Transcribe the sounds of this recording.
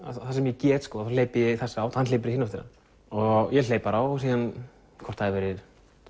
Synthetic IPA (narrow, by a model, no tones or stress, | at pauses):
aθasɛmjɛcɛːt̪skɔːðafaleːjpɪjɛθɛsːaaːwt̪hanlejpɪɾɪhɪnːaft̪ɪɾan | ɔɣjɛleːjpaɾawsiːðan | kʰɔ̥t̪haðvɛɾɪð